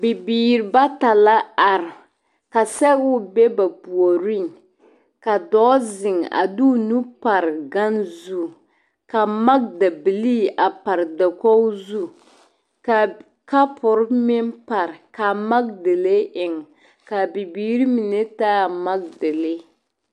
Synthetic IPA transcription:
bi˨biː˨ɾɪ˨˦ba˦ta˨la˦a˨ɾɪ˨ | ka˨sɛ˦ɣʊ˦be˦ba˨bu˨o˨ɾɪ˦ŋ | ka˨dɔː˦zɪ˨ŋa̰˨du˦nu˦pa˨ɾɡa˦nzu˦ | ka˨ma˦ɡ̚da˨bi˨li˦ʔa˨pa˨ɾda˨kɔ˦zu˦ | ka˨ | ka˦pʊ˨ɾmɪ˦npa˨ɾka˨ma˦ɡdɪ˨le˦ʔɪ˨ŋ | ka˨bi˨biː˨ɾi˦mi˨ne˦taː˦˨ma˦ɡ̚dɪ˨lɪ˦

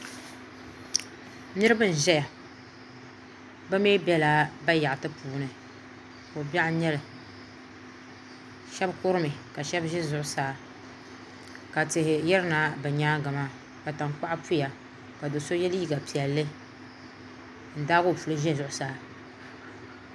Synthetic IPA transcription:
nɨ˦ɾɨ˦bɨ˦n̩˨ʒɛ˦ja˨ | ba˦meː˦bɛ˦laː˦ba˦ja˨ʔtɨ˦puː˨nɨ˨ | o˨ba˦ʔɲɛ˦lɨ˨ | ʃɛ˦bkʊ˦ɾɨ˦mɨ˨ka˨ʃɛ˦bʒɛ˦zʊ˨ʔʊ˨saː˦˨ | ka˨tɪ˨hɪ˨jɛ˦ɾɨ˦naː˨˦bɛ˨ɲaː˦ɡa˨ma˦ | ka˨ta˨ŋk͡pa˦ʔpu˦ja˨ | ka˨do˨so˦jɛ˦lji˦ɡa˨pi˨ɛ˨lːɨ˦ | n̩˦daː˦ɡo˦˨fu˨lɨ˦ʒɛ˦zʊ˨ʔʊ˨saː˦˨

